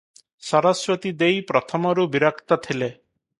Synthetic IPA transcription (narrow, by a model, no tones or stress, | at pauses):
sɔɾɔswɔt̪id̪ejpɾɔt̪ʰɔmɔɾubiɾakt̪ɔt̪ʰile